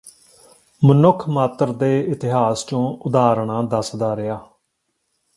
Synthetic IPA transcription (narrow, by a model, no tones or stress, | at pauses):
mənʊkʰmaːt̪əɾd̪eːɪt̪ɪɦaːst͡ʃõːʊd̪aːɾɳãːd̪əsd̪aːɾɪjaː